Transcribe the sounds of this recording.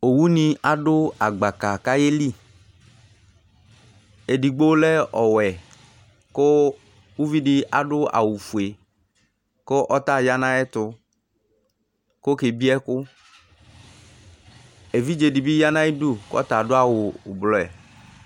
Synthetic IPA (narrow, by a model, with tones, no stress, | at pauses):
o˨wu˦nĩ˨a˨ɖʊ˦a˨ɡ͡ba˨ka˨ka˦je˦li˦˨ | e˨di˨ɡ͡bo˦lɛ˦ʔɔ˨wɛ˨ | kʊ˦ | wu˦vi˦dɪ˦ʔa˨ɖʊ˦a̰˨wu˨fu˨e˨ | kʊ˦ʔɔ˦t̪a˦˨ja˦nã˦ɛ˦t̪ʊ˦ | kʊ˦ke˨bi˦ɛ˦kʊ˦ | e˨vi˦d͡ʒe˨di˨bi˦ja˦nã˦i˦du˦kʊ˦ɔ̰˦t̪a˨dʊ˦a˦wʊ˨blɔ˨ɛ˨